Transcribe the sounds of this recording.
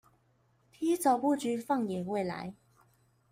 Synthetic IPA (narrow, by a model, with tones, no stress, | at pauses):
t̪ʰiː˥t͡sɐ˨˧wpuː˥˩t͡ʃyː˨˧fɐ˥˩ŋjɛː˨˩we˥˧˩jla̰ː˨˧˥j